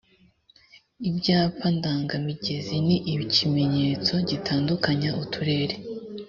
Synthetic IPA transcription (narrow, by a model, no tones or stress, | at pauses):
ibɟaːpandaːŋɡamiɟe̞ziniʔiβicime̞ɲe̞ːt͡so̞ɟitʰaːndukaɲaʔutʰuɾe̞ːɾe